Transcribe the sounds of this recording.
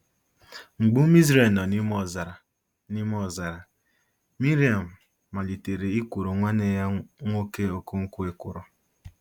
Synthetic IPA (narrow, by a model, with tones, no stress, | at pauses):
ŋ͡m̩˨ɡ͡bu˦m˦i˦zɾe˨lnɔ˨ni˦mɔ˦˨za˨ɾa˨ | ni˦m˦ɔ˦˨za˨ɾa˨ | mi˦ɾi˨˦a˨m̩ː˨ | a˨li˨te˨ɾe˨i˦kʷu˨ɾo˨ŋʷa˦ne˨ja˦ŋʷo˦ke˦o˨ko˦ŋ̩˦ku˦e˦ku˨ɾo˨